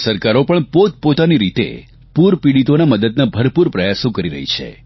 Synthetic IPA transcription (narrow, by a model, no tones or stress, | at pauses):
səɾkaɾopəɳpot̪̚pot̪aniɾit̪ḛ | puɾpiɽit̪onaməd̪əd̪nabʱəɾpuɾpɾəjasõkəɾiɾə̰ɦḭt͡ʃʰḛ